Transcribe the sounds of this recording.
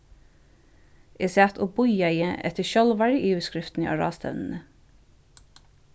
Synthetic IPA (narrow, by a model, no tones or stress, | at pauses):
ʔeːseæːt̪ʰoːbʊjæɪəʔɛ̰t̪ʰəʃœlʋɑɹʔiːʉːskɹɪft̪n̩ḭʔɑ̰ːɹɑ̰ːst̪ʰœ̰ʋnn̩ə